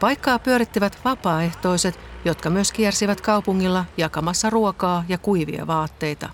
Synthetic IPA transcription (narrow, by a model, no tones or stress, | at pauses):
pɑjkːɑːpyøɾit̪ːiʋæt̪ʋɑpɑːe̞ht̪o̞ise̞t̪jot̪kɑmyøskiɛrsiʋæt̪kɑwpuŋːilːɑjɑkɑmɑsːɑruokɑːjɑkujʋḭɑ̰ʋɑːt̪ːe̞jt̪ɑ̰